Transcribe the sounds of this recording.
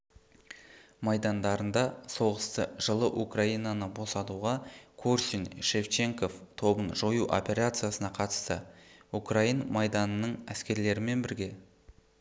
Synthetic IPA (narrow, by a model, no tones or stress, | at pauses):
mɑjd̪ɑnd̪ɑɾənd̪ɑso̞ʁəst̪əʒəlˠəʔukraijnɑnəbo̞sɑt̪uʁɑkʰorsinʃe̞ft͡ʃe̞ŋko̞ft̪ʰo̞bənʒo̞juʔo̞̰pʲe̞ɾat̪sɨjasənɑqʰɑt̪ə̥st̪ə̰ukrainmɑjd̪ɑnənəɴæskʲe̞ɾle̞ɾɪme̞nbɪɾɡʲe̞